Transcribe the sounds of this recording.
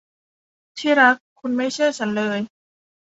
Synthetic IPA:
t̪ʰiː˥˩ɾa˦˥kʰːu˧nma˥˩jt͡ɕʰɯ˥˩ɐt͡ɕʰa˦˥nlɤː˧j

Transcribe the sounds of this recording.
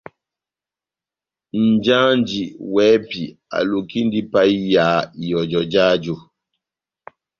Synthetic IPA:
n̩˨d͡ʒa˦nd͡ʒi˨wɛ˨˦pi˨a̰˨lu˨ki˦ndi˦pa˦i˦ja˨˦i˨jɔ˨d͡ʒɔ˨d͡ʒaː˦d͡ʒu˨

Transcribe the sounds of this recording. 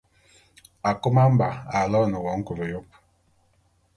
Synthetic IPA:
a˨ko˦ma˦m̩˦ba˨a˨lɔ˦˨nə˨wɔ˨˦ŋ̩˦ku˨lo˨jo˦p̚

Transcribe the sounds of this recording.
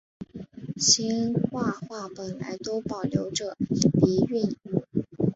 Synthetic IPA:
ɕi˥nxwa˥˧xwa˥˩pə˨˩nla̰˧˥ɪt̪o˥ʊpɑ˨˩ʊljo˧˥ʊʈ͡ʂɤ˥˩li˧˥y˥˧n˥˩

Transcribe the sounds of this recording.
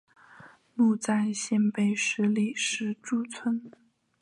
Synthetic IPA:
mu˥˧t͡sa˥˧ɪɕjɛ˥˧npe˥˩ɪʂɻ̩˧˥li˥˩ʂɻ̩˧˥ʈ͡ʂu˥˩t͡sʰwə˥n

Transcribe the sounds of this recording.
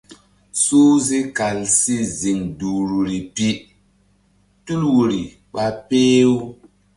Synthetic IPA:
suː˦zi˦ka˨lsi˦zi˨ŋdu˨ɾu˨ɾi˨pi˦ | tu˦lwu˨ɾi˨ | ɓa˦peː˦wu˦

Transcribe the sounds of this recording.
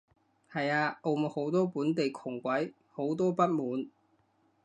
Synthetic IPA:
hɐ˨jaː˧o˧m˨ho˨˥wt̪ɔː˥puː˨˥nt̪e˨jkʰʊ˨˩ŋkʷɐ˨˥j | ho˨˥wt̪̬ɔː˥pɐ˥t̚muː˨˥n

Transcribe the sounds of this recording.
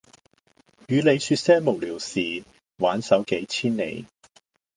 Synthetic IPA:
jyː˨˧le˨˧jsyː˧t̚sɛː˥ŋmo˨˩wliː˨˩wsiː˨ | waː˨˥nsɐ˨˥wke˨˥jt͡sʰiː˥nːḛ˨˧j

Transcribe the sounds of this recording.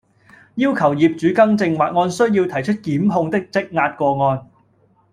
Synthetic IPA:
jiː˥wkʰɐ˨˩wjiː˨p̚t͡ʃyː˨˥kɐ˥ŋt͡sɪ˧ŋwaː˨t̚ŋɔː˧nsɵ˥ɥjiː˧wt̪ʰɐ˨˩jt͡ʃʰɵ˥t̚kiː˨˥mɦʊ˧ŋt̪ɪ˥k̚t͡sɪ˥k̚ŋaː˧t̚kʷɔː˧ŋɔː˧n

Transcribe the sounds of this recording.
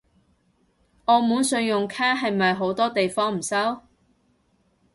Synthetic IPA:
ɔː˨˧muː˨˥nsɵ˧ɥjʊ˨ŋkʰaː˥ɦɐ˨jmɐ˨jɦo˨˥wt̪ɔː˥t̪e˨jfɔː˥ŋm̩˨˩sɐ˥w

